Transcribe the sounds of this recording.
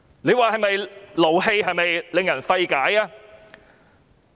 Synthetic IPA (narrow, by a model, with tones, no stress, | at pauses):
le˨˧jwaː˨˩ɦɐ˨jmɐ˨jlo˨˩wɦe˧jɦɐ˨jmɐ˨jlɪ˨˧ŋjɐ˨˩nfɐ˧jkaː˨˥jaː˧